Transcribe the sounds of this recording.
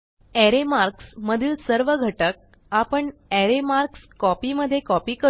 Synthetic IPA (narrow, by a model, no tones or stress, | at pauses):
ɛɾemaɾksməd̪ʱiːlsəɾʋəɡʱəʈək̚ | apəɳɛɾemaɾkskɔpiːməd̪ʱːjekɔpiːkə